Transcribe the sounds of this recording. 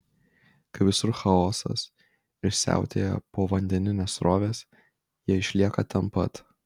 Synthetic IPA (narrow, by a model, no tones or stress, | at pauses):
kɐɪʋʲɪsʊɾxɐoːsɐ̰s | ɪɾsʲæ̰ˑʊt̪ʲḛːjɛ̰poːʋɐnʲd̪ʲɛnʲɪnʲeːsɾoːʋʲeːs | jiɛɪʃʲlʲiɛkɐt̪ɐmpɐt̪